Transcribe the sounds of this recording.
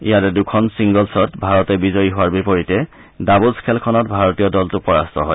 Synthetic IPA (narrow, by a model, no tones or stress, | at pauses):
ijatɛdukʰɔnsiŋɡɔlsɔtbʱaɹɔtɛbizɔjiɦʊwaɹbipɔɹitɛ | dabuskʰɛlkʰɔnɔtbʱaɹɔtiɔdɔltʊpɔɹastɔɦɔj